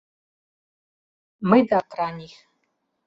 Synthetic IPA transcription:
mɨjdakʼraniχ

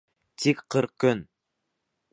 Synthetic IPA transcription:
t̪ʰikqʰːɨɾq̚køn

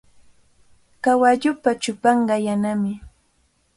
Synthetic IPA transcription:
kawaʎʊpat͡ʃʊpɑɴɢɑjanamɪ

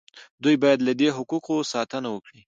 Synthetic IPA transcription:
d̪ujbɑjad̪lad̪eɦʊquqosɑt̪ənawəkɽi

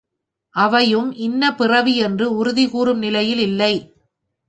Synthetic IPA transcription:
ʔɐʋɐjɯmʔɪnːɐpɪrɐʋiɛndrɯʊɾʊðɪɣuːɾɯmnɪlɐjɪlɪlːɐɪ

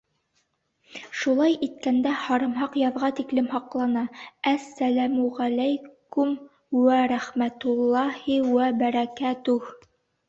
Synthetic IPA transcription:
ʃulˠɑjit̪̚kænd̪æhɑɾɤmɦɑqjɑðʁɑt̪iklɘmhɑqlˠɑnɑæsːælæmuʁælæjkʊm | wæɾæχmæt̪ʊlˠːɑhiwæbæɾækæt̪uh

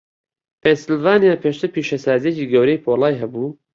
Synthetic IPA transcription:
pʰensɪlvaːnijaːpʰeʃt̪ʰɨɾpiːʃɐsaːzijeciːɡɐwɾejpʰoːlˠaːjɦɐbuː

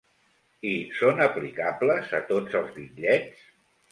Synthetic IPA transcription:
isonəplikabləzət̪od͡zəlˠzβiʎʎɛt͡s

